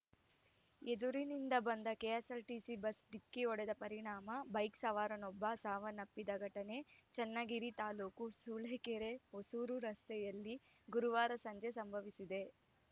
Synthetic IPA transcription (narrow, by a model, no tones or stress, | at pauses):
ed̪uɾinind̪ɐbɐnd̪ɐkeːɐsɐlʈisibɐsd̪ikːiɔɽed̪ɐpɐɾiɳaːmɐbɐjksɐʋaːɾɐnɔbːɐsaːʋɐnɐpːid̪ɐɡʱɐʈɐne̞t͡ʃɛnːɐɡiɾit̪aːluːkusuːleːkeɾeɦosuːɾuɾɐst̪ɛjɐlːiɡuɾuʋaːɾɐsɐɲd͡ʒesɐmbʱɐʋisid̪e̞